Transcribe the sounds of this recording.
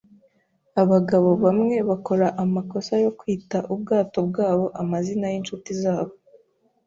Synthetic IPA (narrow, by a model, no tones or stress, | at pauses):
aβaɡaβo̞βamŋe̞βako̞ɾaʔamako̞sajo̞kwiːtaʔub̚ɡaːto̞bɡaːβo̞ʔamazinajinʃutizaːβo̞